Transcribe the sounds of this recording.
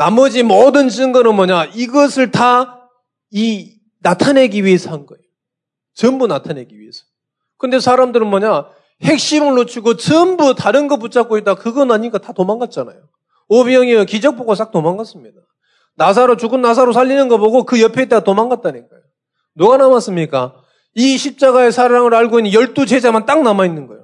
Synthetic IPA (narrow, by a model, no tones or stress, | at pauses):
namʌd͡ʑimʌdɯnt͡ɕɯŋɡɯnɯnmwʌɲaiɡʌsʰɯɭta | i | natʰane̞ɡiɥie̞sʰʌɦanɡʌḛjo | t͡ɕɯmbunatʰane̞ɡiɥiesʰʌ̥ | kɯnde̞sʰaɾamdɯɾɯnmwʌɲa | he̞k̚ɕ͈imɯɭːot͡ɕʰiɡot͡ɕɯmbutaɾɯnɡʌp̬ut͡ɕ͈ʰak͈oet̚t͈akɯɡʌnaɲik͈atatomaŋɡat̚t͡ɕ͈ana̰jo | obiʌŋijʌkid͡ʑʌk̚p͈oɡas͈ak̚tomanɡas͈ɯmɲida | nasʰaɾot͡ɕuɡɯnːas̬ʰaɾosʰaʎːinɯnɡʌboɡokɯjʌpʰeet͈aɡatomanɡat̚t͈anikajo | nuɡanamas͈ɯmɲik͈a | iɕʰip̚t͡ɕ͈aɡae̞sʰaɾaŋɯɾaɭɡoinːɯnjʌɭt͈ut͡ɕe̞d͡ʑamant͈aŋ̚namainːɯnɡʌejo